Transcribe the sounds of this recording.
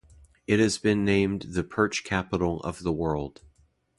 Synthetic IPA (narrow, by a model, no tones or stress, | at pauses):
ɨt̚hɨzbɨ̃nːẽɪ̃mðɨpʰɜ˞t͡ʃkʰæpəɾl̩ˠʌ̰vðəwɜ˞lˠd̥